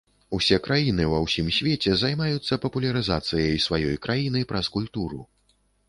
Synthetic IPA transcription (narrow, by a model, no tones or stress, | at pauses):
usʲɛkɾajinɨwɐwsʲimsʲvʲɛt͡sʲɛzajmajut̪sːɐpɐpulʲɐɾɨzat̪sɨjɐjsvajɔjkɾajin̪ɨpɾɐskulʲt̪uɾu